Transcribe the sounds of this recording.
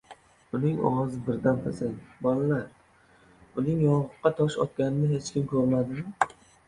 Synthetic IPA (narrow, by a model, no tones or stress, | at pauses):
ʊnɪŋɒ̰wɒzɪbɪɾd̪anp̪ʰasaŋbɒlalaɾ | ʊnɪŋjɒʁʊqːɑt̪ʰɒʃɒ̰t̪kʲanɪnɪɦet͡ʃkʲɪmkʰɵɾmad̪ɪmɪ